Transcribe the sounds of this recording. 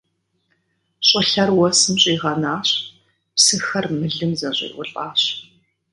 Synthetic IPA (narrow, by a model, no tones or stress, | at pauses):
ɕʼɪɬɐrwɔsɨmɕʼiːʁɐnaːɕ | psɨxɐrmɨɮɨmzɐɕʼɪ̰ːʔʷʊ̰ɬʼaːɕ